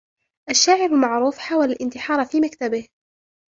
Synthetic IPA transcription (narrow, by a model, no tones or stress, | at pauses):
ʔaʃːaːʕɪɾɪlmaʕɾuːfħaːwalalʔɪnt̪ɪħɑːɾˤfiːmakt̪abɪh